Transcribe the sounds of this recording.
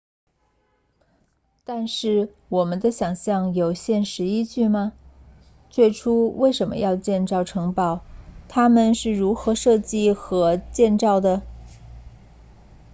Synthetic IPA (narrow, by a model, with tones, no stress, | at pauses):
t̪a˥˧nʂɻ̩˥˩ | wɔ˨˩mə˦nd̪ə˧ɕjɑ˨˩ŋɕjɑ˥˩ŋjo˨˩ʊɕjɛ˥˩nʂɻ̩˧˥i˥t͡ɕy˥˩mɐ˩ | t͡swe˥˩ɪʈ͡ʂʰu˥we˥˩ɪʂə˧˥nmə̰˧jɑ˥˧ʊt͡ɕjɛ˥˧nʈ͡ʂɑ˥˩ʊʈ͡ʂʰɤ˧˥ŋpɑ˨˩˦ʊt̪ʰa˥mə˨nʂɻ̩˥˩ɻu˧˥xɤ˧˥ʂɤ˥˧t͡ɕi˥˩xɤ˧˥t͡ɕjɛ˥˧nʈ͡ʂɑ˥˩ʊd̪ə˩